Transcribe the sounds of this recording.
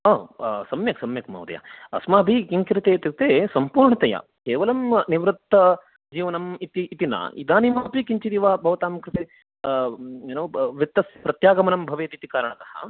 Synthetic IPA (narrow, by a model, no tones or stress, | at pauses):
ɐːsɐmjɐksɐmjɐkmɐ̰ːd̪ɐ̰ja̰ɐ̰smaːbʱikiŋkiɾɐt̪eːt̪iɾt̪eːsɐmpuːɾɳɐt̪ɐja̰ | keːʋɐlɐmniʋɾɨt̪ːɐ | d͡ʒiːʋɐnɐmit̪iːt̪inɐ̰id̪aːnimaːpikiɲt͡ʃid̪iʋaːbʱɐʋɐt̪aːmkɾɪt̪e | eːnoːʋit̪ːɐspɾɐt̪jaːɡɐmɐnɐmbʱɐʋeːt̪it̪ikaːɾɐɳɐt̪ɐhɐ̰